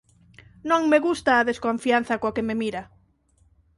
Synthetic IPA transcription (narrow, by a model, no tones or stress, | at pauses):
nõŋmeɣust̪aːðeskoɱfian̟θɐkokememiɾɐ